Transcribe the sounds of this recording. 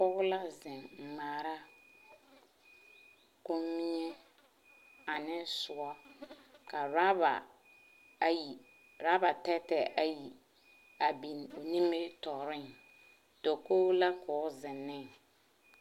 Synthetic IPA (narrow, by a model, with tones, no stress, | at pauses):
pɔ˦ɣʊ˦la˦zɪ˨m̩˨maː˨ɾa˦ | ko˦mmi˦ɲɛ˦ | a˨nɪ˦sʊ˨a˦ka˨ɾa˦ba̰˨ | ji˨ | ɾa˦ba˨tɛ˦tɛ˨ʔa˨ji˨ | a˨bi˨no˨ni˦mːe˦tɔ˨ɾɪ˦ŋ | do˨ko˦la˦kʰɔː˨˦zɪ˨nːɪ˦˨ŋ